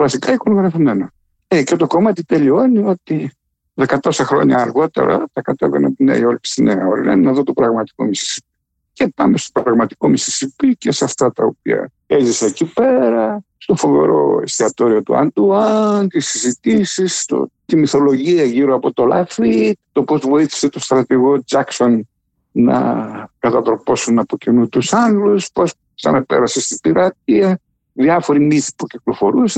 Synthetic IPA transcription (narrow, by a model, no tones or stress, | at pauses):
vɐsikɐiko̞noɣɾɐfimeno | ecet̪o̞ko̞mɐt̪it̪elioɐnio̞t̪i | ðekɐt̪osɐxɾo̞̰ɲɐːɾɣo̞t̪e̞̰ɾɐ̰t̪ɐkɐt̪eveɾnot̪inḛio̞lipsineɐo̞ɾḭnɐ̰inɐðot̪opɾɐɣmɐt̪i̥ko̞̰misi̥si̥p̚i̥ | cepɐmest̪o̥pɾɐɣmɐt̪i̥komisi̥sipicesɐft̪ɐt̪ɐop̚ḭɐ̰ | e̞ziseecipe̞ɾɐst̪o̞fo̞ve̞̰ɾo̞̰st̪iɐt̪o̞ɾio̞t̪ṵɐ̰nd̪uɐnt̪isizit̪isist̪o̰t̪imiθo̞lo̞ʝiɐʝiɾoɐpo̞t̪o̞lɐ̰fit̪o̞po̞zvo̞iθi̥se̞t̪o̞st̪ɾɐt̪iɣo̞d͡ʒɐkso̞n | nɐ̰kɐt̪ɐt̪ɾo̞po̞sunɐpo̞cinut̪usɐnluspos | sɐ̰nɐpe̞̰ɾɐsest̪ibiɾɐt̪̚iɐ | ðiɐfo̞ɾimiθi̥puciklo̞fo̞ɾuse